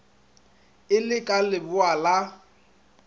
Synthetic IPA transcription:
ɪlɪkʼalɪbʊala

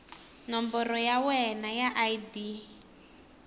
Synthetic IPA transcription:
nɔmbɔrɔjawɛnajaʔajdi

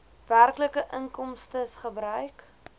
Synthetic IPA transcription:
værkləkəʔəŋkɔmstəsχəbɾœɥk

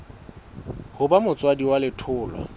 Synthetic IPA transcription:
hʊbamʊt͡sʼwadiwalɪtʰʊːlwa̰

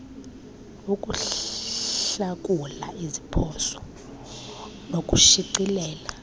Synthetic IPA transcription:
uk̬ʼu | ɬak̬ʼula̰izipʰɔsɔ̥ | nok̬ʼuʃiǀilɛːla

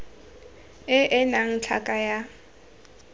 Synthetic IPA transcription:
ɪʔɪnaŋ̩t͡ɬʰa̰kʼaja

